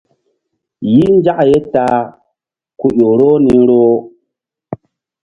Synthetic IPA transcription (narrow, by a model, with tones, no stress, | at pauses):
ji˦n˦d͡ʒa˦ʔje˦ta˨ | ku˨ɗo˨ɾo˦ni˨˦ɾo˦